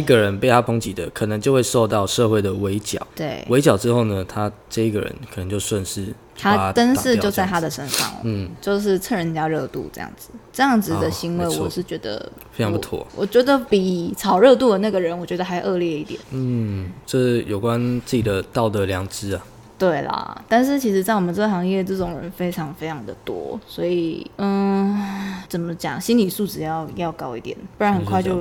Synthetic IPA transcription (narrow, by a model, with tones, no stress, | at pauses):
i˥ɡə˨ɻə˧˦npe˥˧ɪt̪ʰa˥pʰo˧˥ŋt͡ɕi˨˩d̪ə˨kʰɤ˨˩nə˧˦ŋt͡ɕjo˥˧ʊxwe˥˧ɪʂo˥˧ʊt̪ɑ˥˧ʊʂɤ˥˧xwe˥˩ɪd̪ə˩we˧˥ɪt͡ɕjɑ̰˨˩˦ʊt̪we˥˩ɪwe˧˥ɪt͡ɕjɑ˨˩ʊʈ͡ʂɻ̩˥xo˥˩ʊnə˩t̪ʰa˦ʈ͡ʂɤ˥˧i˥˩ɡə˩ɻə̰˧˦nkʰə˨˩ə˧˦ŋt͡ɕjo˥˧ʊswə˥˧nʂɻ̩˥˩ | t̪ʰa˥t̪ə˥nʂɻ̩˥˧jo˥˧ʊt͡sa˥˩ɪa˥d̪ə˨˩ʂə˥nʂɑ̰˥˨˩ŋ̩˥t͡ɕjo˥˧ʊʂ̬ɻ̩˥˩t͡sʰɤ˥˩ɻə˧˦˥nt͡ɕja˥ɻɤ˥˧t̪ṵ˥˧ʈ͡ʂɤ˥˧jɑ̰˥˩ŋd͡zɹ̩˩ʈ͡ʂɤ˥˧jɑ˥˩ŋd͡z̩˨˩˧d̪ə˩ɕi˧˥ŋwe˧ɪwɔ˨˩ʂɻ̩˥˩t͡ɕɥɛ˧˥d̪ə̰˧ | fe˥ɪɑ˧ŋpu˥˩tʰwɔ̰˥˩wɔ̰˨˩t͡ɕɥɛ˧˥d̪ə˨pi˨˩t͡sʰɑ˨˩ʊɻɤ˥˧t̪u˥˩d̪ə˩na˥˩ɡə˩ɻə˧˥nwɔ˨˩t͡ɕɥɛ˧˥d̪ə˧xa˧˥ɪʔɤ˥˧ljɛ˥˧i˥˩t̪jɛ̰˨˩˦n̩˥˩ʈ͡ʂɤ˥˩jo˨˩ʊkwa˦˥nt͡s̩˥˩t͡ɕi˨˩d̪ə˦t̪ɑ˥˩ʊd̪ə˨ljɑ˧˥˦ŋʈ͡ʂɻ̩˥ə˨ | t̪we˥˩ɪlɐ̰˨˩t̪a˥˧nʂ̬ɻ̩˥˩t͡ɕʰi˧˥ʂɻ̩˧˥t͡sa˥˩ɪwɔ˨˩mə˦t͡sɤ˥˩˥xɑ˧˥ŋjɛ˥˧ʈ͡ʂɤ˥˩ʈ͡ʂʊ˨˩ŋɻə̰˧˦nfe˥ɪʈ͡ʂʰɑ˧˥ŋfe˥ɪʈ͡ʂʰɑ˧˥ŋd̪ə̰˨˩t̪wɔ̰˥swɔ˧˥i˨˩˥ | t͡sə˨˩nmə˦t͡ɕjɑ̰˨˩ŋɕi˥nli˨˩su˥˩ʈ͡ʂɻ̩˨˩jɑ˥˩ʊjɑ˥˩ʊkɑ˥ʊi˥˩t̪jɛ̰˨˩˦npu˥˩ɻa˧˥nxə˨˩kʰwa˥˧ɪt͡ɕjo˥˧ʊ